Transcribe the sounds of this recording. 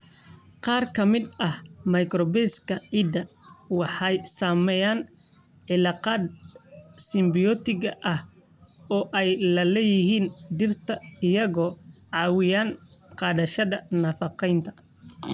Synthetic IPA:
qɑːrkʰɐmɪd̪ɐhmɐjkrɔbɛskʰɐʕiːd̪ɐ | wɑħɑjsaːmɛjaːn | ʕɪlɑːqɑːd̪ | sɪmbɪjɔt̪ʰɪɣɐʔɐh | ɔːʔɛjlɐlɛːjɪɦiːnɖ̪ɪrt̪ʰɐɪjɐɣɔːʕɑːwɪjaːnqɑːðɐʃɐðɐnɐːfɑqɛjnt̪ʰɐ̥

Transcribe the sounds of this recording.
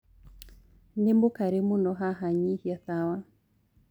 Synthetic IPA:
nembokaɾemunɔɦaɦaɲihjaθawa

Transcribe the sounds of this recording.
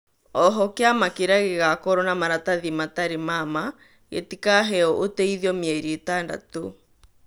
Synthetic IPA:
ɔɦɔkeamakeɾaɣeɣakɔɾɔnamaɾataðimataɾemama | ɣḛtikaɦɛɔʔotɛiðiɔmjɛɾietanda̰to

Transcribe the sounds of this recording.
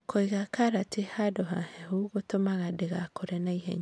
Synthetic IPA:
kʰoiɣakʰaɾatehadoɦa̰hɛhuɣotomaɣadeɣakoɾɛnaiɦɛ̰ɲ

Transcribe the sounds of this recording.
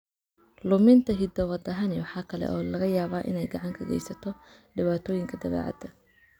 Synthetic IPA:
lʊmɪnt̪ʰɐɦɪd̪ɐwɐd̪ɐɦɐnɛwɑħɑːkʰɐlɛ̰ʔɔːlɐɣɐjaːβaːʔɪ̰nɛjɡɑʕɑŋkʰɐɡɛ̰jsɐt̪ʰɔɖɪβaːt̪ʰɔːjɪŋkʰɐd̪ɐβɛ̰ːʕɑ̰d̪ɐ

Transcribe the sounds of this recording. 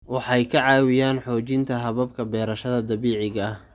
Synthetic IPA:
wɑħɑjkʰɐʕɑːwɪjaːnħɔːt͡ʃɪnt̪ʰɐɦɐβɐb̚kʰɐbɛːɾɐʃɐðɐd̪ɐβiːʕɪɣɐh

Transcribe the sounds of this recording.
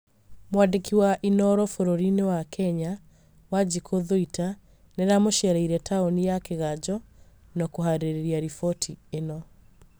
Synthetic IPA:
mwandekiwaʔinɔɾɔfoɾoɾinewakʰɛɲa | wad͡ʑikʰoðoita | neɾamoʃɛɾaiɾɛtaonijakeɣad͡ʑɔ | nɔkoɦaɾeɾeɾiaɾifɔtʰienɔ

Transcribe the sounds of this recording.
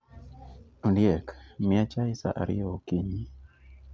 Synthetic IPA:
undjɛkmɪat͡ʃaisa̰ʔa̰ɾɪ̰okiɲi

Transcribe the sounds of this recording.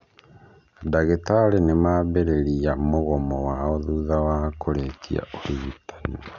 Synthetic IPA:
daɣetaɾenemaβeɾeɾiamoɣɔmɔwaɔðuðawakʰoɾekʰḭa̰oɾiɣutʰḁni

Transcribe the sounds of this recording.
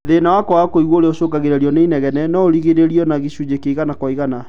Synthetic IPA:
ðenawakɔwakoiɣwooɾeoʃokaɣeɾɛɾiɔneinɛɣɛnɛnɔoɾiɣeɾeɾiɔnaɣeɕud͡ʑekeiɣanakwɔiɣana

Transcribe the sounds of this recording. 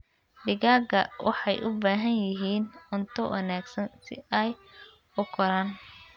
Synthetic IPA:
dɪɣaːɡɐwʔɑ̰ħɑjʔʊbaːɦɐnjɪɦiːnʊnt̪ʰɔwɐ̰naːɡsɐnsɪ̰ɛj | ʊkʰɔɾaːn

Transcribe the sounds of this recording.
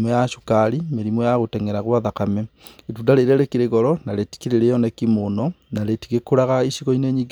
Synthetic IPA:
mɔjaʃukaɾimeɾimwɔjaɣotɛŋɛɾaɣwaðakamɛetundaɾeɾɛɾekiɾeɣɔɾɔnaɾeti̥kiɾeɾejɔnɛkimonɔnaɾetiɣekoɾaɣaiɕiɣɔineɲiɡ

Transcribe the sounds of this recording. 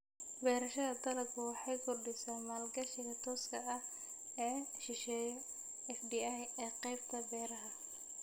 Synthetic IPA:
bɛːɾɐʃɐðɐd̪ɐlɐbkʰʊwɑħɑjɡʊrɖɪsaːmaːlɡɐʃɪɣɐt̪ʰɔːskʰɐɐh | ɛːʃɪʃɛːjɔ | ɛfdiːajɛːqɛjb̚t̪ʰɐbɛːɾɐɦɐ

